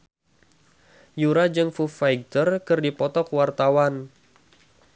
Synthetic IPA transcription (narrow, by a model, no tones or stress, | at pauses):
juɾad͡ʒɨŋfufajɡ̚t̪ərkɨrdipɔt̪ɔkwart̪awan